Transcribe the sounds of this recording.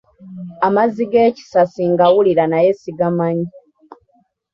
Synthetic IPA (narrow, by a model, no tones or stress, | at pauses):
amaziɡeːci̥sasiŋɡawuliɾanajesiɡamaɲi